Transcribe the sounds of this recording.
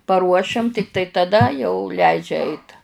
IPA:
pɐˈruɔʃʲɛm ˈtʲɪktɐɪ tɐˈdɐ jɛʊ ˈlʲɛɪd͡ʒʲɛ ˈɛɪt

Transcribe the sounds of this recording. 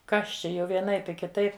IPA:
ˈkɐs ˈt͡ʃʲɛ jɛʊ ʋʲiɛˈnɐɪp ɪ kʲɪˈtɐɪp

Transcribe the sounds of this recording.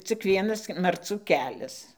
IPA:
t͡sʲɪk ˈʋʲiɛnɐs mɐrˈt͡suː ˈkʲæːlʲɛs

